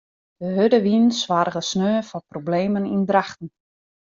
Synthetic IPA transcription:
d̥əɦødəʋinsʋarɣəsnøːfɔprobleːmənindraxtən̩

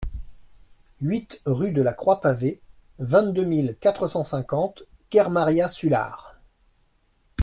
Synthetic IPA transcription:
ɥit̪ʁyd̪əlakχwapave | vɛ̃t̪̚d̪ømilkat̪χəsɑ̃sɛ̃kɑ̃t̪ | kʲɛʁmaʁjasyla̰ʁ

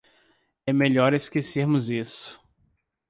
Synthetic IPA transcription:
ɛmeʎɔɾeskeseɾmʊzisʊ̥

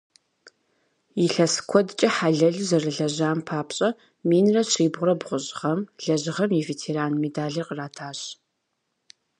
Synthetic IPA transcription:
jiɬɐsɨ̥kʷʰɔdt͡ʃʼɐħaɮɐɮzɐrɨɮɐʑaːmpʰaːpɕʼɐ | miːnrɐɕriːbʁʷʊrɐbʁʷʊʑʁɐmɮɐʑɪʁɐmivetʰeːɾaːnmedaːɮirqəraːtʰaːɕ

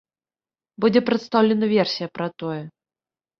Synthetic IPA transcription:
bud͡zʲɛpɾɛt̪st̪awlʲɛnɐvʲɛrsʲijɐpɾɐt̪ɔjɛ

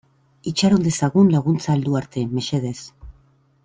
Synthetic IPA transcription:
it͡ʃaɾond̪e̞saɣunlaɣ̞unt͡saːld̪uaɾt̪e̞me̞ʃeð̞e̞s

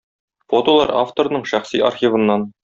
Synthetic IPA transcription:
fot̪olˠɑɾaft̪oɾnɤɴɕæχsiʔa̰rχʲivɤ̆nːɑn

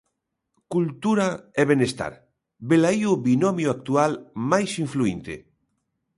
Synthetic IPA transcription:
kult̪uɾaɛβenest̪a̰ɾ | belaioβinɔmjoak̚t̪ualmajsiɱfluint̪ḛ

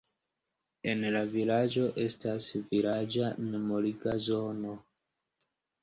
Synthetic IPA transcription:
e̞nlavilad͡ʒo̞ʔe̞stasvilad͡ʒanemoliɡazo̞no̞

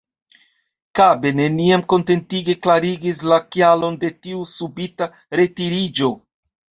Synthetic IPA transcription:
kabe̞ne̞niamko̞nte̞ntiɡe̞klaɾiɡislakialo̞nde̞tiusubita | ɾe̞tiɾid͡ʒo̞

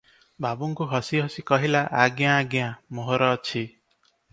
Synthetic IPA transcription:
babuŋkuɦɔsiɦɔsikɔɦilaʔaɡjãːɡjãmoɦɔɾɔːt͡ʃʰi

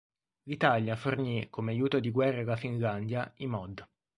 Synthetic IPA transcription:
lit̪aljafornikːomeajuːt̪od̪iɡwɛrːalafinland̪jaimɔd̪

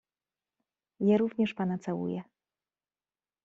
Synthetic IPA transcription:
jaɾuvɲɛʂpanat̪sawṵjɛ

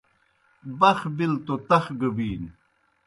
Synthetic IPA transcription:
bɐxbilt̪ot̪ɐxɡəbiːn

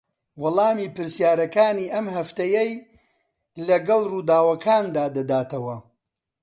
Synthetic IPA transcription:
wɐlˠɑːmiːpɨɾsjaːɾɐkaːniːʔɐmhɐft̪ɐjej | lɐɡɐlˠruːd̪aːwɐkʰaːnd̪aːd̪ɐd̪aːt̪ʰɐwɐ

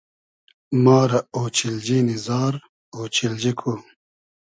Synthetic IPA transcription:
maːɾɐoːt͡ɕild͡ʑinizaːɾ | oːt͡ɕild͡ʑikʰu

